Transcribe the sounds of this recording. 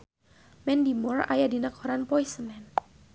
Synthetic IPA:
mɛndimɔra̰jadinakɔɾanpɔisəmɛn

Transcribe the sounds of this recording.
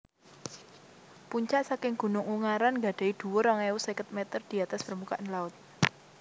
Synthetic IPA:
puɲt͡ʃaʔsakɪŋɡ̥ṳnʊŋuŋaɾanŋɡa̤ɖ̥e̤id̪̥ṳwʊɾɔŋeusekət̪̚mɛt̪ərd̪̥i̤at̪asb̥ərmukaʔnlaʊt̪̚

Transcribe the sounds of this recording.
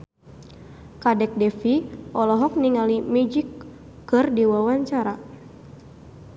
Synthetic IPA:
kadɛk̚dɛfiʔɔlɔɦɔk̚niŋalimɛd͡ʒikː | ɨrdiwawaɲt͡ʃaɾa

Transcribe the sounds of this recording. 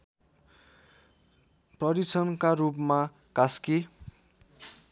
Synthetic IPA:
prʌɾisʰʌnkaɾupma | kaski

